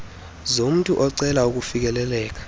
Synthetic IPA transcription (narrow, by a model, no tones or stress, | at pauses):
zom̩tʼuʔɔǀɛlauk̬ufik̬ɛlɛlɛːk̬ḁ